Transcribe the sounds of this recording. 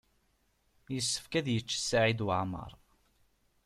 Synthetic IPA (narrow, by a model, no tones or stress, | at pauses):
jəsːə̥fkæðjət͡ʃːə̥sːaʕid̪wəʕmə̰ɾˤ